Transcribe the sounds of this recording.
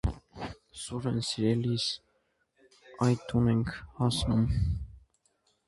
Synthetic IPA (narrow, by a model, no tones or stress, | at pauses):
suɾənsiɾɛlis | ɑjt̪ʰunɛŋkʰhɑsnum